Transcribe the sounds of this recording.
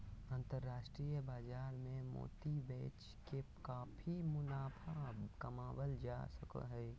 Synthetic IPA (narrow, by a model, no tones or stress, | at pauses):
ə̃nt̪əɾːaːʃʈɾijəbaːd͡ʒaːɾmẽmo̰ːt̪ibɛːt͡ʃ | kekaːfʰimʊnaːpʰakəmaːwəld͡ʒa̰sə̰kə̰ɦɛː